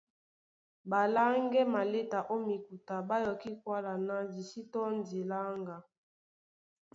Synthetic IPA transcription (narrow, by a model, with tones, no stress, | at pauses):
ba˨la˦ŋɡɛ˦ma˨le˦ta˨ʔo˦mi˨ku˨ta˨ba˦jɔ˨ki˦kwa˦la˨na˦di˨si˦tɔ˦n˦di˨la˦ŋɡa˨